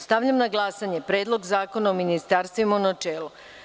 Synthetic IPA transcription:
st̪aʋʎamnaɡlˠaːsaɲepɾeːd̪lˠo̞ɡzaːko̞naominist̪aːɾst̪ʋimonat͡ʃeːlu

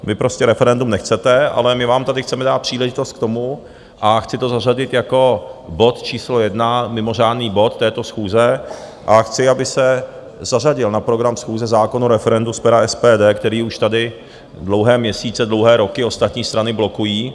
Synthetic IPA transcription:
vɪpɾo̞scɛɾɛfɛɾɛndumnɛxt͡sɛt̪ɛʔa̰lɛmɪvaːmt̪adɪxt͡sɛmɛdaːt̪̚pr̝̥iːlɛʒɪt̪o̞st̪̚k̚t̪o̞mu | ʔaxt͡sɪt̪o̞zaraɟɪt̪jako̞bo̞t̪t͡ʃiːslo̞jɛdnamɪmo̞r̝aːdniːbo̞t̪ːɛːt̪o̞sxuːzɛ | ʔaxt͡sɪabɪsɛ | zar̝aɟɪlnapɾoɡɾamsxuːzɛzaːko̞nuɾɛfɛɾɛnduspɛɾaɛspɛːdɛːkt̪ɛɾiːuʃt̪adɪ | dlo̞wɦɛːmɲɛsiːt͡sɛdlo̞wɦɛːɾo̞kɪo̞st̪at̪ɲiːst̪ɾanɪblo̞kujiː

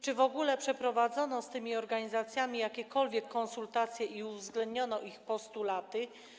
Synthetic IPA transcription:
t͡ʂɘvɔɡulɛpʂɛpɾɔvad̪zɔnɔst̪ɘmʲiɔɾɡaɲizat̪sʲjamʲijakʲɛkɔlvʲjɛkːɔ̃ñsult̪at̪sʲjɛʔiuvzɡlɛnd̪ɲɔnɔʔixpɔst̪ulat̪ɘ

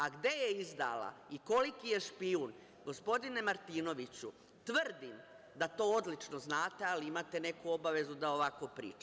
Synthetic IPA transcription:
aɡd̪e̞je̞izd̪a̰la̰iko̞likije̞ʃpiun | ɡo̞spo̞d̪ine̞maɾt̪iːno̞ʋit͡ɕu | t̪ʋrd̪im | d̪at̪o̞ːod̪lit͡ʃno̞znaːt̪e̞aliimat̪e̞ne̞kuobaʋe̞zud̪aoʋako̞pɾḭːt͡ʃa

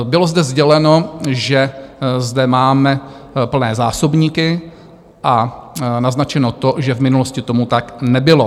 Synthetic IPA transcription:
bɪlo̞zdɛzɟɛlɛno̞ʒɛzdɛmaːmɛ | pl̩nɛːzaːsobɲiːkɪ | ʔanaznat͡ʃɛnot̪o̞ʒɛvmɪnuloscɪt̪o̞mut̪aknɛbɪlo̞

